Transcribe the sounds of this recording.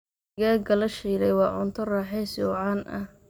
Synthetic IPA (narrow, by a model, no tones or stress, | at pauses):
ɣaːɡɐlɐʃiːlɛjwɑːʕʊnt̪ʰɔrɑːħɛsɔːʕɑnʔɐ̰h